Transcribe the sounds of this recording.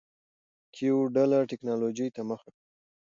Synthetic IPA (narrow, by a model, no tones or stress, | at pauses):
kʰioɖalaʈɪknɑlod͡ʒəjt̪aməxaka